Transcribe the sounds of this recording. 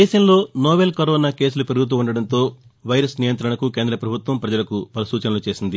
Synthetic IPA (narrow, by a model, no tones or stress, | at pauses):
d̪ɛːʃɐmlo̞ːnɔːbeːlkɐɾoːnaːke̞ːsulupeɾuɡut̪̬uuɳɖɐɽɐnt̪o̞ː | ʋɐjɾɐsnijɐnt̪ɾɐɳɐkuke̞ːnd̪ɾɐpɾɐbʱut̪ʋɐmpɾɐd͡ʒɐlɐkupɐlɐsuːt͡ʃɐnɐlut͡ʃe̞ːsind̪i